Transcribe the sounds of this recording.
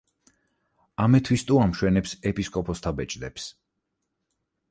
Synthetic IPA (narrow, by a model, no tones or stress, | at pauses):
amɛt̪ʰwist̪ʼuamʃwɛnɛpsɛpʼiskʼɔpʰɔst̪ʰabɛt͡ʃʼd̪ɛps